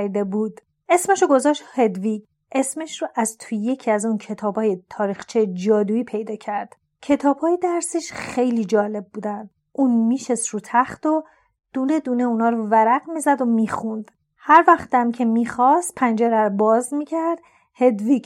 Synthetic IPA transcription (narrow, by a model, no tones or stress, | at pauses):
ɾd̪ebuːd̪̥ | ʔe̞smeʃoɡo̞zɒːʃt̪he̞d̪viɟ | ʔe̞smeʃroʔæzt̪ʰujje̞cʰiæzuncʰe̞t̪ʰɒːbɒːjet̪ʰɒːɾixt͡ʃʰejd͡ʒɒːd̪uːiːpʰe̞jd̪ɒːcʰæɾd̪̥ | cʰe̞t̪ʰɒːbhɒːjed̪æɾsiʃχe̞jliːd͡ʒɒːle̞b̚ːuːd̪ænd̪ | ʔuːnmiːʃest̪ɾuːt̪ʰæχt̪o | d̪̥uːne̞d̪uːneunɒːɾovæɾæɡmizæd̪omiːxund̪̥ | hæɾvæχt̪æmcʰemiːxɒst̪̚pʰænd͡ʒeɾæɾobɒːzmiːcʰæɾd̪̥ | he̞d̪viɡ